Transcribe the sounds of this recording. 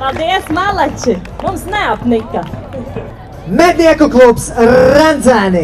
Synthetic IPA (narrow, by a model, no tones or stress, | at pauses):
palˠd̪iɛsmalˠat͡ʃimumsnɛapnikːɐ | mɛd̪niɛkuklˠupsɾand̪zæni